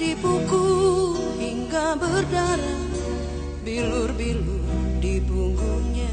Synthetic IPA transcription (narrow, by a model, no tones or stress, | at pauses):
dibuɡu | hiŋɡabərdaɾa | bilurbilurdibuŋɡuɲa